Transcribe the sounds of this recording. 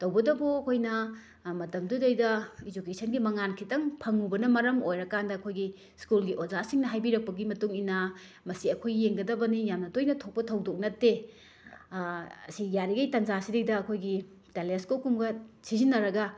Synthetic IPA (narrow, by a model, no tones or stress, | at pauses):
tɐwbɐdɐboɐkʰojnɐ | mɐtɐmdudejdɐid͡ʒukesɐnɡimɐŋankʰitɐŋpʰɐŋubɐnɐmɐɾɐmojɾɐkandɐːkʰojɡi | skulɡiʔozasiŋnɐɦajbiɾɐk̚pɐɡimɐtuŋina | mɐsiɐkʰojɡijeŋɡɐdɐbɐnijamnɐdojnɐtʰok̚pɐtʰɐwdok̚nɐtːe | ɐsijaɾiɡɐjtɐnzasidejdɐːkʰojɡi | teleskokumɡɐsizinːɐɾɐɡɐ